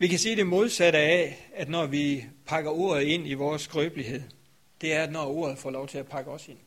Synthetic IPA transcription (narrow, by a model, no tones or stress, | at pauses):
ʋikæsiːd̥e̝mo̝ð̞ˠsæɾ̥əææd̥nɒʋipʰɑ̈ɡ̥ɐo̝̰ːɐð̞̩ˠe̝n̰iʋɒːsɡ̥ʁœːb̥lihe̝ð̰ˠ | d̥e̝æɐæd̥nɒo̝ːɐð̞̩ˠfɒ̰ːlɒʊt͡sʰe̝læpʰɑ̈ɡ̥əɒ̽se̝n̰